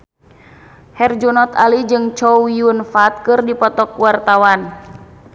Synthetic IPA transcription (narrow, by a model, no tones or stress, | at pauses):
hɛrd͡ʒunɔt̪alid͡ʒɨŋt͡ʃɔijunfat̪̚kɨrdipɔt̪ɔkwart̪awan